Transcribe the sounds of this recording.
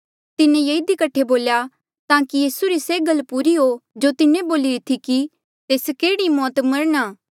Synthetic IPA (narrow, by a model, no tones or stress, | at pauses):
t̪ɪnẽjeid̪ikɐʈʰeboːlja | t̪aːkijiːsuɾiseːɡəlpuːɾiɦod͡ʒot̪ɪnẽboːliɾɪt̪ʰiki | t̪eːskeːɽimɔːt̪mɐɾnaː